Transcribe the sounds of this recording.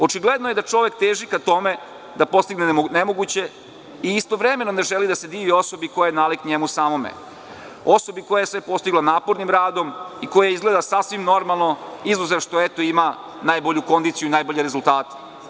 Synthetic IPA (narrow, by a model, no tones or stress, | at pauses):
o̞t͡ʃiɡled̪noje̞d̪at͡ʂo̞ʋe̞kt̪eːʒikat̪o̞me̞ | d̪apo̞st̪iɡnenemo̞ɡut͡ɕe̞ | iist̪o̞ʋɾeme̞none̞ʒelid̪ase̞d̪iːʋio̞so̞biko̞jajenaːlikɲemusaːmo̞mḛ | o̞so̞biko̞jajesʋe̞po̞st̪iɡlˠanaːpoɾnimɾaːd̪o̞miko̞jaizɡle̞d̪asasʋimno̞ɾmalˠno̞izuzeʋʃt̪oet̪o̞ima | naːjboʎuko̞nd̪it̪sijuinaːjboʎeɾezulˠt̪aːt̪e̥